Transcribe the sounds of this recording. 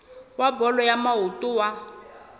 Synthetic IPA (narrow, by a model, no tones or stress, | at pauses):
wabɔlɔjamaɦutʼuwa